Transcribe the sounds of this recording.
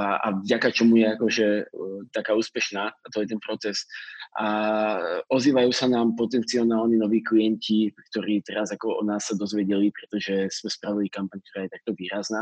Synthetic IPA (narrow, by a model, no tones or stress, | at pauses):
a̰vvɟakat͡ʃɔmujɛakɔʒɛt̪akaːuːspɛʃnaːat̪ɔjɛt̪ɛnpɾɔt͡sɛsa | ʔɔziːʋajuːsanaːmpɔt̪ɛnt͡siɔnaːlninɔʋiːklijɛncikt̪ɔɾiːt̪ɛɾazakɔɔ̰naːsːad̪ɔzʋɪɛɟɛlipɾɛt̪ɔʒɛsmɛspɾaʋilikampaɲk̚t̪ɔɾaːjɛt̪ak̚t̪ɔʋiːɾaznaː